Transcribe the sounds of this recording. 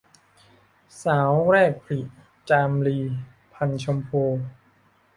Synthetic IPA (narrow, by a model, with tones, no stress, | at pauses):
saː˩˦wɾɛː˥˩k̚pʰli˨˩ʔ | t͡ɕaː˧mliː˧ | pʰa˧nt͡ɕʰo˧mpʰoː˧